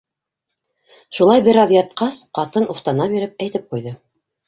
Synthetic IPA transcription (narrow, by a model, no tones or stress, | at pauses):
ʃulˠɑjbɘ̆ɾɑðjɑt̪̚qɑsqɑt̪ɤnuft̪ɑnɑbiɾɘp̚æjt̪ɘp̚qujðɤ